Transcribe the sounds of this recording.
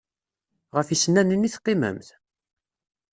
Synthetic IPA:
ʁəfisənːænənːiθqːemə̰mθ

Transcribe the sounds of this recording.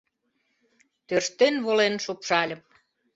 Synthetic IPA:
t̪øʃt̪enβolenʃopʃɑlʲə̆m

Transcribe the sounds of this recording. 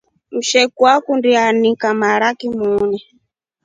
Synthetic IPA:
m̩ʃɛkuakundianikamaɺakimuːnɛ

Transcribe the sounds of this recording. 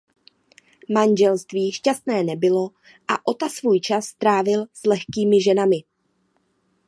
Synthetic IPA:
mand͡ʒɛlst̪viːʃcast̪nɛːnɛbɪlo̞ | ʔaʔo̞t̪asvuːjt͡ʃasːt̪ɾaːvɪlslɛxkiːmɪʒɛnamɪ

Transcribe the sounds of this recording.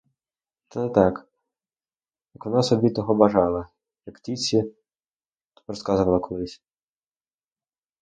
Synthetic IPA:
t̪ɛnɛt̪ɑk | jɐkʋɔnɑsɔbʲit̪ɔɦɔbɐʒɑlˠɐ | jɐkt̪ʲit͡sʲi | t̪ɔ̥pɾɔskɑzʋɐlˠɐkɔlˠɪsʲ

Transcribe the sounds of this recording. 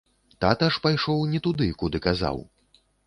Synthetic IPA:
t̪at̪aʂpajʂɔwnʲɛt̪ud̪ɨkud̪ɨkaza̰w

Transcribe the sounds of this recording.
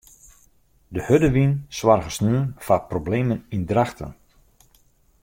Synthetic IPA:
dəhødəʋinswarɣəsnyənfaprobleːmənindraxtə̰n

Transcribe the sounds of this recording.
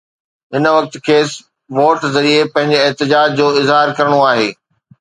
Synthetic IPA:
ɦɪnəʋɐk̚t̪̆kʰeːs | ʋoːʈzɐɾiepɐ̃ɦɪ̃ɲd͡ʑeɛɦt̪ɪd͡ʑaːd͡ʑd͡ʑoːɪzɦaːɾkɐɾəɽ̃oaːɦeː

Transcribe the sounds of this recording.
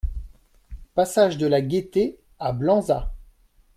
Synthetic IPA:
pasaʒd̪əlaɡʲet̪e | ablɑ̃za̰

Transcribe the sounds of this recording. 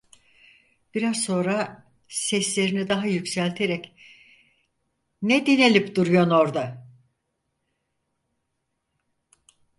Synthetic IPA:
b̥iɾazso̞nɾa | sɛslʲe̞ɾinid̪aɦajycsælʲt̪ʰe̞ɾɛc | nɛd̪ine̞lʲipd̪uɾujono̞ɾd̪a

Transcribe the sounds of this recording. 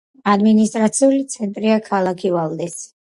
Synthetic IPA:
ad̪minist̪ʼɾat̪sʰiulit̪sʰɛnt̪ʼɾiakʰalˠakʰivalˠd̪ɛs

